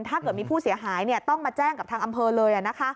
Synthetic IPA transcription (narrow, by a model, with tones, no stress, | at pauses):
nt̪ʰaː˥˩kɤ˨˩t̪̚iː˧pʰuː˥˩si˩˦ɐɦaː˩˦jni˥˩ət̪ɔ˥˩ŋmaː˧t͡ɕɛː˥˩ŋka˨˩pt̪ʰaː˧ŋʔa˧mpʰɤː˧lɤː˧jʔa˨˩na˦˥kʰa˦˥